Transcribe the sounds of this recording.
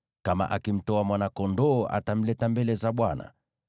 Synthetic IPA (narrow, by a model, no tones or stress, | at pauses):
kama̰ʔakim̩tɔamwanakɔndɔːʔa̰tam̩lɛtambɛlɛzaɓwana̰